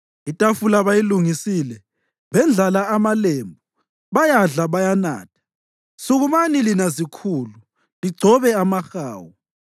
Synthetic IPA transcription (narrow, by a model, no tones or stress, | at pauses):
itʼafulaβajiluŋisiːlɛ | βɛnd͡ɮʱalaamaleːmbʱu | βajaɮaβajana̰ːtʰḁ | suɣumanilinazikʰuːlu | liɡ͡ǀʱɔβɛamaxa̰ːwu